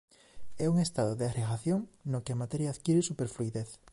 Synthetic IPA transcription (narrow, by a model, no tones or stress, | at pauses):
ɛuŋest̪aðoðeareɣaθjoŋnokeamat̪ɛɾjaːðkjiɾesupeɾfluiðeθ